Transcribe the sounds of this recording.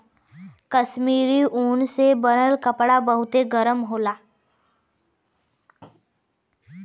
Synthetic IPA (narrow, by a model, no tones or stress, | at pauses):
kəʃmiːɾiʔoːnsebəɾəlkəpɽabəɦut̪eɡəɾəmɦolaː